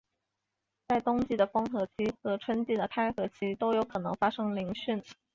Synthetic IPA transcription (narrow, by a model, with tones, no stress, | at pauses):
t͡sa˥˩ɪt̪ʊ˥ŋt͡ɕi˥˩d̪ə˩fɤ˥ŋxɤ˧˥t͡ɕʰi˥xɤ˧˥ʈ͡ʂʰwə˥nt͡ɕi˥˩d̪ə˩t̪ʰa˥˩ɪxɤ˧˥t͡ɕʰi˥t̪o˥ʊjo˧˥ʊkʰɤ˨˩nɤ˧˥ŋfa˥ʂɤ˥ŋli˧˥ŋɕy˥˩n